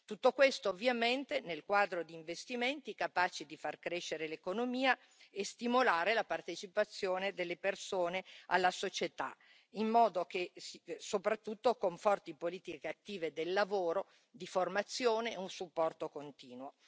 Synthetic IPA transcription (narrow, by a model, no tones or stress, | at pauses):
t̪ut̪ːokwest̪oːvːjament̪enelkwaːd̪ɾod̪iːɱvest̪iment̪ikapaːt͡ʃid̪ifarkɾeʃːeɾelekonomiːa | est̪imolaːɾelapart̪et͡ʃipat̪sːjoːned̪elːepersoːnea̰lːasot͡ʃet̪a̰ | imːɔːd̪okesisopɾat̪ːut̪ːokoɱfɔrt̪ipoliːt̪ikeat̪ːiːved̪elːavoːɾo | d̪iformat̪sːjoːneunsupːɔrt̪okont̪iːnwo